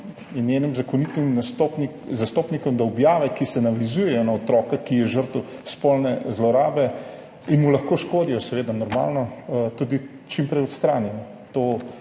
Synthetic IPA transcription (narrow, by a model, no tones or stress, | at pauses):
jɛnjeːnimzakɔnit̪imnast̪opni | zast̪oːpnikɔmd̪aɔbjaːʋɛkisɛnaʋizuːjɛjɔnaɔt̪ɾɔːkɛkijɛʒəɾt̪uspɔlnɛzlɔɾaːbɛ | inmulɐxkoːʃkoːd̪ijɔsɛʋeːd̪anɔɾma̰ːlnɔt̪uːd̪i | t͡ʃimpɾɛjɔt̪st̪ɾaːnjɛnɔ | t̪o